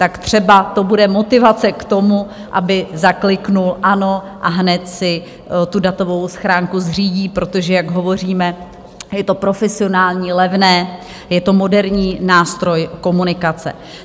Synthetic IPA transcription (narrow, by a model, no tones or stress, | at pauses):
t̪akt̪r̝̥ɛbat̪o̞budɛmo̞t̪ɪvat͡sɛkt̪o̞mu | ʔabɪzaklɪknulʔano̞ʔaɦnɛt̪sɪ | t̪udat̪o̞vo̞wsxɾaːŋkuzr̝iːɟiːpɾo̞t̪o̞ʒɛjaɡɦo̞vo̞r̝iːmɛ | jɛt̪o̞pɾo̞fɛsɪo̞naːlɲiːlɛvnɛː | jɛt̪o̞mo̞dɛɾɲiːnaːst̪ɾojko̞munɪkat͡sɛ̰